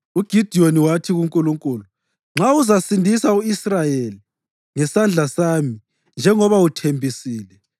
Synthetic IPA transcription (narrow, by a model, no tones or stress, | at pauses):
uɡ̥ʱid̥ʱioniwatʰiɣuŋkʼuluŋkʼuːlu | ŋ͡ǁʱauzasindʱisauisrajeli | ŋɛsand͡ɮʱasami | nd͡ʒʱɛŋɔβautʰembʱisiːlɛ